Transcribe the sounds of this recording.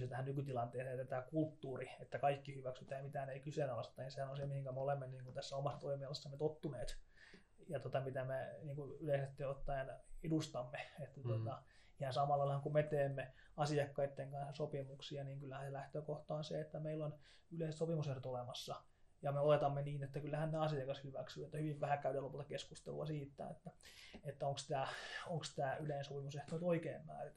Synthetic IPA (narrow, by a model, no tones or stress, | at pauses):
yst̪æhænnykyt̪ilɑnt̪eːset̪æt̪ækult̪ːuːriet̪ːækɑikːihyʋæksyt̪æːjɑmit̪æːæneikysenɑlɑst̪ːˑɑninsehænonsemihiŋkæmeolemːeniːŋkunt̪æsːæomɑsːɑt̪oimiɑlesːɑmet̪ot̪ːuneːt̪ | jɑt̪ot̪ɑmit̪æmeniːŋkuyleisest̪ːeot̪ːɑjɑnedust̪ɑmːeet̪ːæt̪ot̪ɑ | ihɑnsɑmɑlːɑilhɑŋkumet̪eːmːe | ɑsiɑkːɑit̪ːeŋkɑnsɑsopimuksiɑniːŋkylːæhænselæht̪øːkoht̪ɑːnseet̪ːæmeilːon | yleˑiset̪sopimusehrot̪olemɑsːɑ | jɑmeolet̪ɑmːeniːnet̪ːækylːæhænneɑsiɑkɑshyʋæksyet̪ːæhyʋiʋʋæhækæydelopult̪ɑkeskust̪ḛluɑsiːt̪ːæ̰ḛt̪ːæet̪ːæoŋkst̪æːoŋkst̪æːyleinsopimuseht̪oit̪oikeːmpæ̰ːrit̪